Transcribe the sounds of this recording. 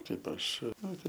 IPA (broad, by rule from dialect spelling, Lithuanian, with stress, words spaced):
ˈtɐɪp ˈɐʃ ˈnoːrʲʊ